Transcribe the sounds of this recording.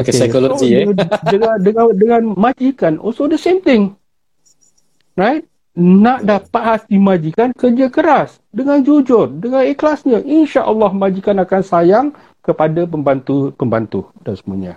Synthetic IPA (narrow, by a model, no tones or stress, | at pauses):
okesajkolod͡ʒidəadəadəŋanmãd͡ʒikanʔo̰sodəsemt̪ɪŋ | rajt̪̚ | naʔdahpahasdimad͡ʒikankərd͡ʒakəɾas | dəŋand͡ʒud͡ʒʊrdəŋaneklasɲãʔinʃaʔəlːɑhmãd͡ʒikanakansajaŋ | kəpadapəmbant̪upəmbant̪udansəmuaɲa̰